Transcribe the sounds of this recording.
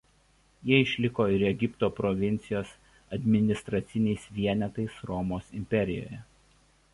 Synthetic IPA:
jiɛɪʃʲlʲɪkoːɪɾɛɡʲɪpt̪oːpɾɔʋʲɪnʲt̪sʲɪjoːs | ɐd̪ʲmʲɪnʲɪst̪ɾɐt̪sʲɪnʲɛɪsʋʲiɛnʲɛt̪ɐɪsɾɔmoːsɪmʲpʲɛɾʲɪjo̰ːjɛ

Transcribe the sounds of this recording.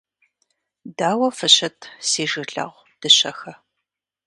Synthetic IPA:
daːwɐfɨɕɐtʰsiːʒɨɮɐ̰ʁʷ | d̥ɨɕɐxɐ

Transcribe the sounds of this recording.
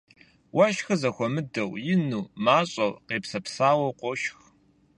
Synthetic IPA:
wɐʃxɨzɐxʷɔmɨdɐwjɪnuːmaːɕʼɐwqeːpsɐpsaːwɐwqʷɔʃx

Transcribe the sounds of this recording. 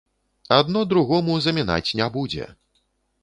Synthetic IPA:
ad̪nɔd̪ɾuɣɔmuzɐmʲina̰t͡sʲnʲabud͡zʲɛ̰

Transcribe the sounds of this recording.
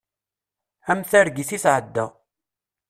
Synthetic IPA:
æmθæɾɡiθisʕəd̪ːə

